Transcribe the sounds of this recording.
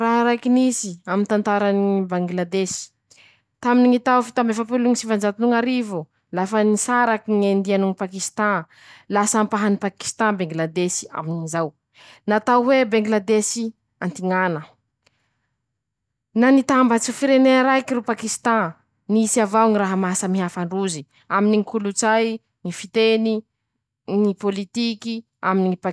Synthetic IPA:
raɦɾajkinisiamint̪ant̪aɾanibaŋɡlad̪esi̥ | t̪aminiŋit̪awfit̪ambefapuluŋisivand͡ʒat̪inuŋaɾivu | lafənisaɾakiŋend̪ianuŋipakist̪ã | lasampaɦanipaki̥st̪ãbeŋɡlad̪esi̥a̰minizaw | nat̪awwebeŋɡlad̪esi | ant̪iŋanə | nanit̪ambat͡sifiɾeneɾajkiɾupakist̪ã | nisiavawŋiraɦəmasəmiɦafaɳɖ͡ʐuzi | aminiŋikulut͡saj | ŋifit̪eni | nipolit̪iki | aminiipa

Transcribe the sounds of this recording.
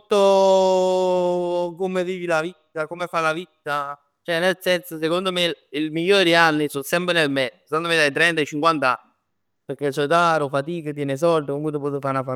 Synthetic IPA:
t̪ːo | komeviːvilavit̪ːakomefalavit̪ːa | t͡ʃoɛnelsɛnsosekond̪omeilmiʎːoːɾd̪ianːisosɛmpɾenelmɛd̪osekond̪omed̪ajt̪ɾɛnt̪aet͡ʃiŋkwant̪aa̰nːi | peɾk̟esɔd̪aɾofat̪iːkat̪jɛːnes̬ɔld̪okoŋkut̪̬op̬ɔs̬ofaɾnafa

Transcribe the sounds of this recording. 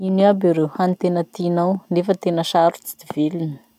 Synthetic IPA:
iniabiɾewhanit̪enət̪inawnefət̪enəʃaɾut͡si̥d̪̥ivelini̥

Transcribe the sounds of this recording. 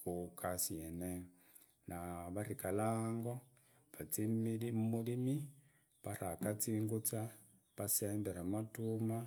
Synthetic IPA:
kukʰasiene | naβaɾikalaːŋɡo̞ | βat͡siilimulimi | paɾakat͡siːŋɡut͡sa | paseːmbeɾamatuma

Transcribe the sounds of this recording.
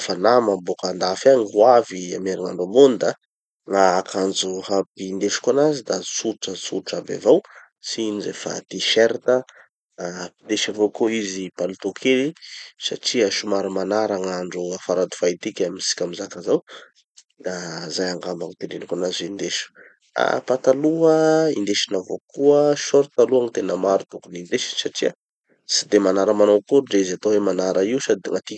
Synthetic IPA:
fanamambokand̪afaŋwavia̰meɾiŋa̰ɳɖ͡ʐomond̪ə | ŋaakʰand͡zuhapind̪eʃu̥kanazid̪asuʈ͡ʂət͡suʈ͡ʂaba̰vaw | sinizḛfa̰t̪iʃeɾt̪ə | pid̪eʃavokoizipalut̪okʰelisa̰ʈ͡ʂiaʃumaɾumanaɾaŋaɳɖ͡ʐuafaɾad̪u̥fajt̪ikʲaminsi̥kʲamizakazaw | d̪azajaŋɡambaŋip̪enɖ͡ʐenikunazizeind̪eʃu̥ | a̰pat̪aluəḭnd̪eʃinavokuəʃoɾit̪aluaŋit̪enəmaɾut̪ukunind̪eʃinsaʈ͡ʂia | si̥d̪emanaɾəmanawkuɖ͡ʐeizat̪oɦemanaɾaiusad̪ŋat̪i

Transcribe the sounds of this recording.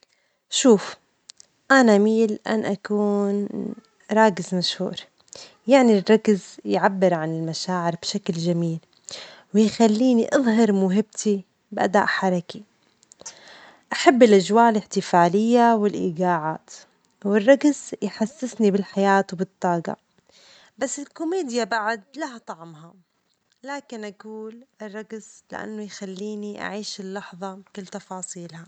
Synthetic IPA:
ʃuːf | ʔanamiːlʔa̰nʔakuːn | ɾˤɑːkɪzmaʃhṵːɾ | jaʕnirˤːɑkzjʕabːɪɾʕanɪlmaʃaːʕɪɾbʃakld͡ʒamiːl | wɪjxalːiːniʔɨðˤɦɑɾˤmʊɦɪb̚t̪ʰi | bʔad̪a̰ːʔħɑɾˤɑki | ʔaħabːɪlʔad͡ʒwaːʔɪlɪħt̪ɪfaːlɪjːawɪlʔḭːɡaːʕaːt̪ | wɪrˤːɑɡsjħasːɪsnibɪlħajaːt̪wbɨt̪ˤːɑːɡɑ̰ | basːɪlkʊmeːd̪jabaʕʊd̪̚lahat̪ˤɑʕmha | laːkɪnʔaɡuːlʔɪrˤːɑɡslɪ̰ʔa̰nːʊjxalːiːniʔa̰ʕiːʃɪlːɑħðˤɑbkɪlːt̪ɑfɑːsˤiːlha

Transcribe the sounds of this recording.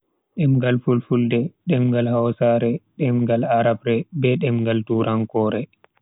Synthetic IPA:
ɗɛmɡalfulfuldɛɗɛmɡalhawsaɾɛɗɛmɡalaɾabɾɛbɛɗɛmɡaltuɾʔaŋkɔːɾɛ

